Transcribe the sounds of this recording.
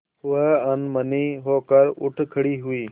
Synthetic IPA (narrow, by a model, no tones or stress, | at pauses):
ʊəənməniːɦoːkəɾʊ̰ʈʰkʰəɽiːɦʊiː